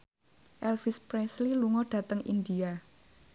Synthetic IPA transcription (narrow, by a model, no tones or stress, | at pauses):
ʔɛlfispɾɛsliluŋɔɖ̥a̤t̪əŋḭnd̪ia